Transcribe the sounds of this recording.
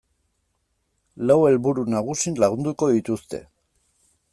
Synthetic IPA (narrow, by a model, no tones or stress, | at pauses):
lawe̞lβuɾunaɣ̞usinlaɣ̞und̪uko̞ðit̪ust̪e̞̰